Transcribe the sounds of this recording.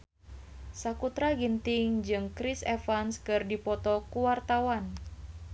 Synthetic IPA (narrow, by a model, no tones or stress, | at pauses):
sakut̪ɾaɡint̪ɪŋd͡ʒɨŋkɾisɛfanskɨrdipɔt̪ɔkuwart̪awan